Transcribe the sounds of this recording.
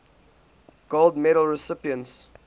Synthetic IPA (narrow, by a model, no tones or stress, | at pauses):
ɡ̥olˠdmɛɾəl̩ˠɹɪsɪpiə̃nts